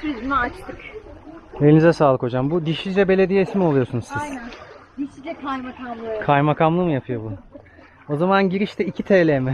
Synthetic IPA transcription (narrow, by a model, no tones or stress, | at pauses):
t̪ɾizinɛat͡ʃt̪ʰɯk | elʲinizɛsaːlˠɯkʰo̞d͡ʒambud̪iʃlʲid͡ʒɛbe̞lʲe̞d̪ijɛisimo̞lˠujo̞ɾsunuzsizj̪ænd̪iʃid͡ʒɛkʰajmakʰamlˠɯkʰajmakʰamlˠɯmɯjapʰɯjo̞bu | o̞zamanɟiɾiʃt̪ʰɛicʰit̪ʰelʲemɪ